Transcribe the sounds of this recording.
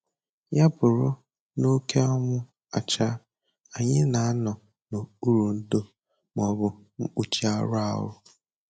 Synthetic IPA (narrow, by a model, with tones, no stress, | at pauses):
ja˦pʊ˨ɾʊ˦ | no˦ke˦ɔ˦mʊ˦ | a˨t͡ʃa˦ | a˨ɲɪ˦na˨a˦nɔ˨ | no˨u˦ɾu˨n̩˦do˦ | m˨ɔ˨bʊ˨ | ŋ̩˦k͡pu˨t͡ʃi˦a˦ɾa̰˦˨ɦʊ̰˦